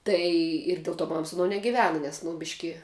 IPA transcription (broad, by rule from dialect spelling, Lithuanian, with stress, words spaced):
ˈtɐɪ ɪr ˈdʲeːlˠ ˌtoː ˈmɐm sʊ ɐˈnoː nʲɛɡʲɪˈʋʲæːnɐ nʲɛs nʊ ˈbʲɪʃʲkʲɪ